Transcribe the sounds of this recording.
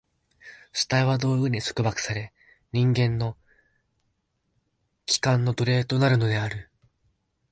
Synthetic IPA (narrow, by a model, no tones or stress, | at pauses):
ɕɨ̥t̪aiβ̞ad̪o̞ːɯ̟ɲ̟iso̥kɯ̟bakɯ̟̥saɾe̞ | ɲ̟ĩŋɡẽ̞nːo̞ | kʲi̥kãnːo̞d̪o̞ɾe̞ːt̪o̞naɾɯ̟no̞d̪e̞aɾɯ̟